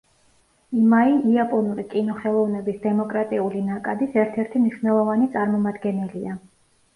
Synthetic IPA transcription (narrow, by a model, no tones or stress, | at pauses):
imaiiapʼɔnuɾikʼinɔχɛlˠɔvnɛbisd̪ɛmɔkʼɾat̪ʼiulinakʼad̪isɛɾt̪ʰɛɾt̪ʰimniʃnɛlˠɔvanit̪sʼaɾmɔmad̪ɡɛnɛlia